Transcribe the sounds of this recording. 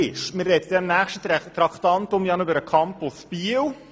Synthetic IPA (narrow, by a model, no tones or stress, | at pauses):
ɪʃmɪrːɛtd̥̪ɛnnːæːχʃtətt̪ɾɑktɑntʊmjɑnybəɾəkʰɑmplspiw